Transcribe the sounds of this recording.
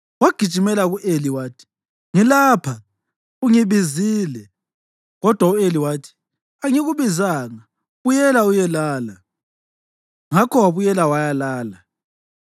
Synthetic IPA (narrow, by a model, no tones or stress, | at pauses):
waɡ̥ʱid̥t͡ʃimɛlaɣuʔeliwaːtʰi̥ | ŋilaːpʰa | uŋiβiziːlɛ | ɣɔd̥ʱwaueliwaːtʰi̥ | aŋiɣuβizaːŋa | βujɛlaujɛlaːla | ŋakʰɔwaβujɛlawajalaːla